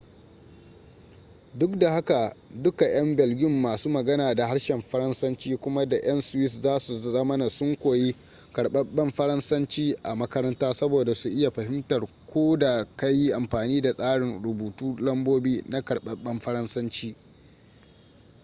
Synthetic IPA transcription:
dʊ˦kda˨ha˦ka˨dʊ˦ka˨j̰ɐ˦mbɛ˨lɡʲɪ˦mːaː˨suː˦mɐ˨ɡɐ˦naː˨da˨ha˦ɽʃɛ˨mɸɐ˦ɾɐ˦nsɐ˦nt͡ʃiː˦kʷʊ˦ma˦da˨ʔɐ˦nsʊ˨wɪ˦szaː˦su˨zɐ˦mɐ˦na˨sʊ˦ŋkʷoː˨ji˦ | kɐ˨ɽɓɐ˦ɓɐ˦mɸɐ˦ɾɐ˦nsɐ˦nt͡ʃiː˦ʔa˨mɐ˦kɐ˦ɾɐ˦ntaː˦sɐ˦boː˨da˨su˨ʔɪ˦ja˨ɸɐ˨ɦɪ˦mtɐ˨r | kʷoː˦da˨ka˦jːi˦ʔa˨mɸaː˨niː˦da˨sʼaː˦ɽɪ˨nɽʊ˨buː˨tuː˦lɐ˦mboː˦biː˦na˦kɐ˨ɽɓɐ˦ɓɐ˦mɸɐ˦ɾɐ˦nsɐ˦nt͡ʃiː˦

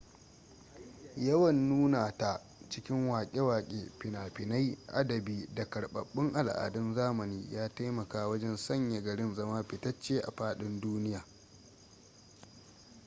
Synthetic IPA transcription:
jɐ˦wɐ˨nːuː˦naː˨ta˨ | t͡ʃɪ˦kʲɪ˦ŋwaː˨kʲʼe˦waː˨kʲʼḛː˨ɸɪ˨naː˨ɸɪ˨na˦jʔa̰˦dɐ˨biː˦da˨kɐ˨ɽɓɐ̰˨ɓːɪ˦ŋʔa˨lʔa̰ː˨dɐ˦nzaː˦mɐ˨niː˦jaː˦ta˦jmɐ˨kaː˦wɐ˦d͡ʒɛ˦nsɐ˦ɲja˨ɡɐ˨ɽɪ˦nzɐ˦maː˦ɸɪ˨tɐ˦t͡ʃːeː˦ʔa̰˨ɸaː˦ɗɪ˦nduː˦nɪ˦jaː˨

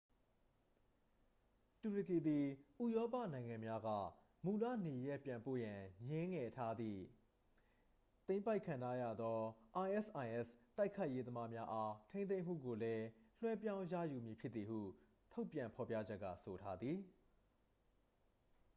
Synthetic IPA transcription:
tu˨ɹə˨ki˨d̪i˨ʔu˦˨jɔ˦pä̰˦˨nã˨ɪ̃ŋã˨mja˦ɡä̰˦˨ | mu˨lä̰˦˨ne˨jɛ˦˨pjã˨mpo̰˦˨jã˨ɲɪ̃˦ŋɛ˨tʰa˦d̪ðḭ˦˨ | t̪ẽ˦ɪ̃mpa˦ɪkʰːã˨ntʰa˦jä̰˦˨d̪ðɔ˦ʔa˨ɪʔɛ˦˨sʔa˨ɪ̃ʔɛ˦˨sta˦ɪkʰːa˦ɪʔje˦d̪əma˦mja˦ʔa˦tʰẽ˦nθẽ˦ɪ̃m̥ṵ˦˨ɡo˨lɛ˦l̥wɛ˦pjã˦ʊ̃ja̰˦˨ju˨mji˨pʰjɪ˦t̪t̪ːi˨hṵ˦˨ | tʰo˦ʊpjã˨mpʰɔ˨pja̰˦˨d͡ʑɛ˦ʔkːä̰˦˨so˨tʰa˦d̪ði˨

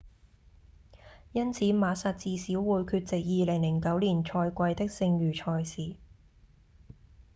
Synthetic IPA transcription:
jɐ˥nt͡sʰiː˨˥maː˨˧sa˨˩t̚t͡siː˨˧siː˨˥wwuː˨˧jkʰyː˧t̚t͡sɪ˨k̚jiː˨˧lɪ˨˩ŋlɪ˨˩ŋkɐ˨˥wliː˨˩nt͡ʃʰɔː˧jkʷɐ˧jt̪ɪ˥k̚sɪ˧ŋjyː˨˩t͡ʃʰɔː˧jsiː˨˩

